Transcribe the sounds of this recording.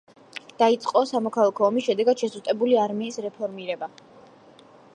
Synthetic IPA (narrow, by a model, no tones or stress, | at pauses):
d̪̥ait̪sʼqʼɔsamɔkʰalˠakʰɔːmisʃɛd̪ɛɡad̪̥ʃɛsʼut̪ʼɛbuliaɾmiːsɾɛpʰɔɾmiɾɛba